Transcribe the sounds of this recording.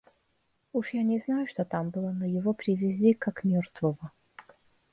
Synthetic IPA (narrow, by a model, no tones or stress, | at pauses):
uʂjanʲɪznajʊʂt̪ot̪ambɨlˠənojɪvopɾʲɪvʲɪzʲdʲekakmʲort̪vəvə